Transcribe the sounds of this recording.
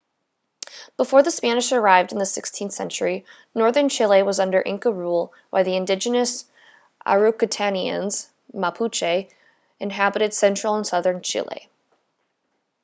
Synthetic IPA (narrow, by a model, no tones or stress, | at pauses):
b̥əfɔɹðəspænɨʃə˞aɪvdn̩ðɨsɪkstʰĩnθsɛ̰̃nt͡ʃə˞i | nɔɹðə̃˞nt͡ʃʰɪlˠeɪwʌzʌ̃ndə˞ʔɪ̃ŋkəɹulˠ | baɪðiɨ̃ndɪd͡ʒɨnɨs | ʔa̰ɹukɨtʰæniɨ̰̃nz̥ | mapʰut͡ʃeɪ | ɨ̃nɦæbɨɾɨd̥sɛ̃nt͡ʃɹ̥l̩ˠə̃nsʌðə̃˞nt͡ʃʰɪ̰lˠḛɪ